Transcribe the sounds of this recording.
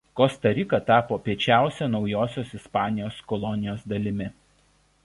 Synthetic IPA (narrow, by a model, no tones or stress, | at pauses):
kɔst̪ɐɾʲɪkɐt̪ɑːpoːpʲiɛt͡ʃʲæˑʊsʲɛnɒʊjoːsʲoːsɪspɑːnʲɪjoːskɔlˠɔnʲɪjoːsd̪ɐlʲɪmʲɪ